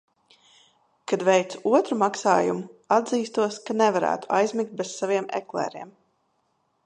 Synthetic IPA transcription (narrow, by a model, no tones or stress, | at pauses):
kad̪vɛjt̪suɔt̪ɾumaksaːjumuad̪ziːst̪uɔskanɛvaɾæ̰ːt̪u̥ajzmik̚t̪̚bɛssaviɛmɛ̰klˠɛ̰ːɾḭɛm